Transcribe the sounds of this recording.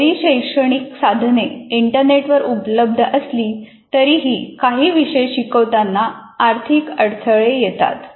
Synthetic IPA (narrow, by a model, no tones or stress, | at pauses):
ɾiːɕəjʂəɽ̃iksad̪ʱneiɳʈəɾneʈʋəɾupləb̚d̪ʱəʔəsliː | t̪əɾiːɦiːkaɦiːʋiɕəjɕikəʋt̪anːaːɾt̪ʰikəɽt̪ʰəɭejet̪a̰t̪